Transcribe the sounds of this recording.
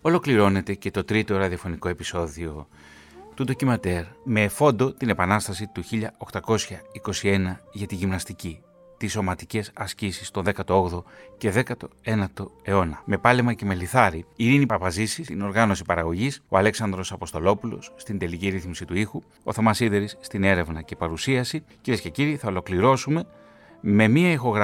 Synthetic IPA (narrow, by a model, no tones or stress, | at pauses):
o̞lo̞kliɾo̞ne̞t̪e̞ce̞t̪o̞t̪ɾit̪o̞ɾɐðio̞fo̞niko̞e̞piso̞ðio̞ | t̪ut̪o̞cimɐt̪eɾme̞ːfo̞nd̪o̞t̪ine̞pɐnɐst̪ɐsit̪uçiʎɐo̞xt̪ɐko̞sçɐiko̞sie̞nɐʝɐt̪iʝimnɐst̪ici | t̪iso̞mɐt̪ice̞sɐscisist̪o̞nðekɐt̪o̞oɣðo̞ce̞ðe̞kɐt̪o̞e̞nɐt̪o̞e̞o̞nɐme̞pɐlemɐce̞me̞liθɐɾiiɾinipɐpɐzisiino̞ɾɣɐno̞sipɐɾɐɣo̞ʝiso̞̰ɐle̞ksɐnd̪ɾo̞sɐpo̞st̪o̞lo̞pulo̞̰sːt̪ind̪e̞liciɾiθmisit̪uixu | o̞θomɐsiðe̞ɾisːt̪ine̞ɾe̞vnɐce̞pɐɾusiɐsiciɾiesce̞ciɾiθɐolo̞kliɾo̞sume̞ | me̞miɐixo̞ɣɾ